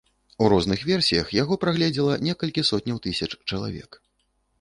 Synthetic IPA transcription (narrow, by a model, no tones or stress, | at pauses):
uɾɔznɨxvʲɛrsʲijɐxjaɣɔpɾaɣlʲɛd͡zʲilˠɐnʲɛkɐlʲkʲisɔt̪ʲnʲɐwt̪ɨsʲɐt͡ʂt͡ʂɐlˠa̰vʲɛ̰k